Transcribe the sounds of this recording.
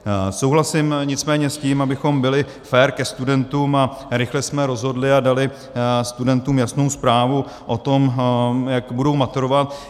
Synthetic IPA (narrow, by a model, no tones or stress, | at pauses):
sowɦlasɪmɲɪt͡smɛːɲɛsciːmabɪxo̞mbɪlɪ | fɛːɾkɛst̪udɛnt̪uːmaɾɪxlɛsmɛɾo̞zɦo̞dlɪadalɪ | st̪udɛnt̪uːmjasno̞wspɾaːvu | ʔot̪o̞mjakbudo̞wmat̪uɾovat̪̚